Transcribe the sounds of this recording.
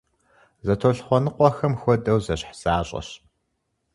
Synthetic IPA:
zɐtʰoɬχʷɔnɨqʷɔxɐmxʷɔdɐwzɐɕħz̥aːɕʼɐ̰ɕ

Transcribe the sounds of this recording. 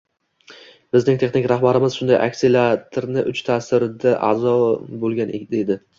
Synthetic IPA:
b̥ɪznɪŋt̪ʰe̞χnɪŋkʲɾaχbaɾɪmɪz̥ʃʊnd̪ajʔa̰kʲsilat̪ʰɾnɪʔʊt͡ʃt̪ʰasɪɾɪd̪aʔa̰zɒbolˠɡʲaned̪ed̪ɪ

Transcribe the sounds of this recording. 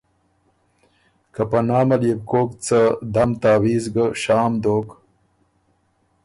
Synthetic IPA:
kɐpɐnaːmɐljeb̚koːkt͡sad̪amt̪aːwiːzɡəʂaːmd̪oːk

